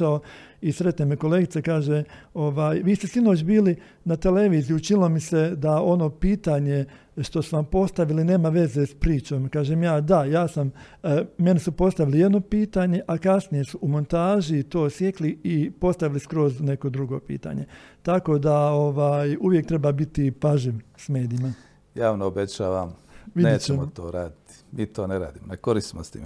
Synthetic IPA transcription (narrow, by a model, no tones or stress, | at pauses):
ao | isɾe̞t̪nemeko̞le̞ːɡit̪sekaːʒeo̞ʋaːjʋiːst̪e̞sinot͡ʃbiːli | nat̪ele̞ʋiːzijuut͡ʃinilˠomise̞d̪ao̞no̞ːpiːt̪aːɲe̞ | ʃt̪o̞suʋampo̞st̪aʋiline̞ːmaʋe̞zespɾiːt͡ʃo̞ːmkaːʒeːmjaːd̪ajaːsam | me̞nisupo̞st̪aʋilije̞d̪no̞piːt̪aːɲe̞ʔakasnije̞suumo̞nt̪aːʒit̪o̞ːsjekliipo̞st̪aʋiliskɾo̞zne̞ko̞d̪ɾuɡo̞̰pḭːt̪a̰ɲe̞t̪ako̞d̪ao̞ʋaːjuʋje̞k̚t̪ɾe̞babit̪ipaʒiʋsme̞ːd̪ijima | jaːʋnoobet͡ɕaːʋamʋidneːt͡ɕemot̪o̰ːɾaːd̪it̪i̥miːt̪o̞ːneɾa̰ːd̪iːmonekoɾisnost̪ḭm